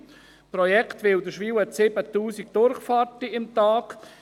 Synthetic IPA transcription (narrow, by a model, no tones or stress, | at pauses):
prɔjɛktʋɪldəʃʋiːwəsɪbət̪uːsik̚d̥ʊɾχfaːɾtiɪmt̪aːk